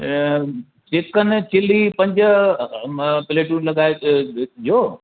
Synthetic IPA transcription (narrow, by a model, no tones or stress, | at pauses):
t͡ɕeːkənɪ̆t͡ɕʰɪlipɐ̃ɲd͡ʑ | pɪleːʈuːnlɐɡaːe | joː